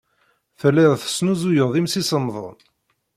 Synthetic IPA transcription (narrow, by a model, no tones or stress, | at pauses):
θəlːiðθə̥snuzujəʁðˤimsisənðˤʊ̰n